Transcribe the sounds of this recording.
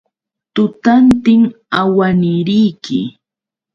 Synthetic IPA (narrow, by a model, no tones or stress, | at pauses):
t̪ʊt̪ant̪ɪŋ | awanɪɾɪjkʰɪ̰